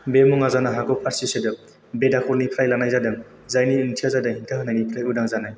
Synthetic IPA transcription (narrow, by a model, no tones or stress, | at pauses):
bemuŋazanaɦakɔpʰaɾsisedɯ | bedakʰɔlnikʰɾajlanajzadɯŋ | zajniɯntʰiazadaŋhintʰɯɦɯnːajnikʰɾajudaŋzanaj